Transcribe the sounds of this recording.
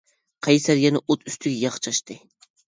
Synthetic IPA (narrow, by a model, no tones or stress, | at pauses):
qʰɑjsæɾjʲɛnɪʔot̪ʰyst̪ʰyɡʲɛjɑχt͡ʃʰɑʃt̪ɨ